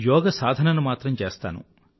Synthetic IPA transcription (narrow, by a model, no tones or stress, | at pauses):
jɔːɡɐsaːd̪ʱɐnɐnumaːt̪ɾɐmt͡ʃeːst̪a̰ːnṵ